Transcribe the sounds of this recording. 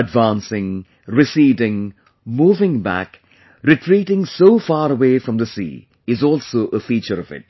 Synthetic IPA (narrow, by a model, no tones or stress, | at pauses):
əɖʋãːnsɪ̃ŋ | ɾɪsiːdɪ̃ŋ | muːvɪ̃ŋbæ̰k | ɾɪʈʰɾiːʈɪ̃ŋsoːfɑːɾəweːfɾʌ̃md̪əsḭː | ɪzɔlsoʔəfiːt͡ʃəɾʌvɪ̰ʈ̚